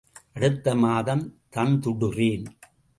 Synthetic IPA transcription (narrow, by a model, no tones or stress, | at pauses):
ʔɐɽɯt̪ːɐmaːðɐmt̪ɐnt̪ʊɽɯriːn